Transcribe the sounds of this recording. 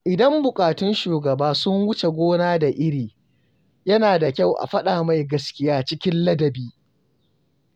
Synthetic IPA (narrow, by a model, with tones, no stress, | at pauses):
ʔɪ˨dɐ˦mbʊ˨kʼaː˨tʊ˦nʃuː˨ɡɐ˨baː˦sʊ˦ŋwʊ˦t͡ʃe˨ɡʷoː˦naː˦da˨ʔɪ˦ɽiː˨ | jɐ˦naː˨da˨kʲa˦˨wʔa̰˨ɸɐ˦ɗaː˨ma˨jɡɐ˦skʲɪ˦jaː˦t͡ʃɪ˦kʲɪ˦nlɐ˦dɐ˨biː˦